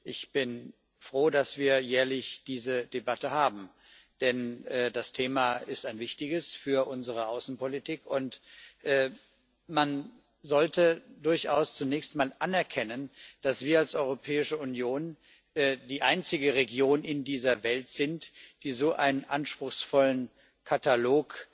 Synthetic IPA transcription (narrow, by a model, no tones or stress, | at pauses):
ʔɪçb̥ɪn | fʁ̥oːdasv̥iːɐjɛːɐlɪçd̥iːzədebatəhaːbm̩ | d̥ɛnʔɛːdastʰeːmaɪstaɪnvɪçtɪɡəsfyːɐʔʊnzəʁ̞əʔaʊsn̩politʰiːkʊntʔɛː | man | zɔltədʊɐçʔaʊst͡sunɛːçstmaːlʔanɛɐkʰɛnənd̥asv̥iːɐalsʔɔʏʁopʰɛːɪʃəunjoːn | ʔɛːd̥iːʔaɪnt͡sɪɡəʁeɡjoːnɪndiːzɐvɛltz̥ɪntd̥iːzoːʔa̰ɪnənʔanʃpʁ̥ʊxsfɔlən | kʰataloːk